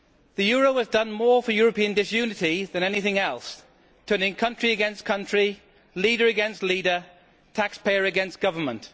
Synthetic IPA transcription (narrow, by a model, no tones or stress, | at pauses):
ðəjɔːɹoʊwəzdʌ̃nmɔːfəjɔːɹəpĩə̃ndɪsjʉːnɪtiðə̃ñɛnɪθɪ̃ŋɛlˠs | tʰɜ̃ːnɪ̃ŋkʰʌ̃nt͡ʃɹ̥iəɡɛ̃nskʰʌ̃nt͡ʃɹ̥i | liːɾəɹəɡɛ̃nstˡliːɾə | tʰakspʰeɪəɹɨɡɛ̃nsɡ̥ʌvəmə̃nʔ